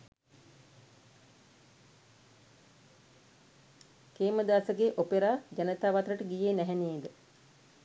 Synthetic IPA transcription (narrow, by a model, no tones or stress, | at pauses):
keːməd̪aːsəɡeːʔopeɾaːd͡ʒanət̪aːʋat̪ɾəʈəɡijeːnæɦɛneːd̪ə